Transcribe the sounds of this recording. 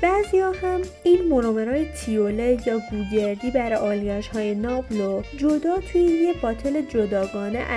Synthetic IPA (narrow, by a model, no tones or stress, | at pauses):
b̥æːzijɒːhæm | iːnmonomeɾɒːjet̪ʰiolejɒːɡuːɟe̞ɾd̪iːbæɾʔɒːlɟæʃhɒːjenɒːblod͡ʒo̞d̪ɒːt̪ʰujejebɒːt̪ʰele̞d͡ʒod̪ɒːɡɒːnḛʔæ